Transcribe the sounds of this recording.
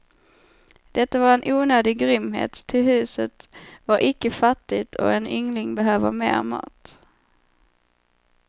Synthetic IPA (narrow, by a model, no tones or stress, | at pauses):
d̪̥ɛt̪ːavaɾɛnʔuːnøːd̪ɪɡɾʏmɦḛːt̪ʰːɪlɦʉ̟ːsət̪vaɾʔɪkːəfat̪ːɪt̪ʰɔ̰ɛnʏŋlɪŋbɛɦøːvəɾmḛːɾmɑ̰ːt̪